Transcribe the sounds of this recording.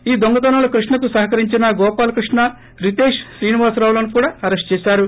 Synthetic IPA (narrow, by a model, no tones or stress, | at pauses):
iːd̪oŋɡɐt̪̬ɐnɐlukɾuʂɳɐk̪usɐɦɐkɐɾiɲt͡ʃinɐɡɔːpaːlɐkɾuʂɳɐ | ɾit̪eːʂʃɾiːniʋaːsɾaːwlɐnukuːɽaːɐɾesʈt͡ʃɛːʃaːɾu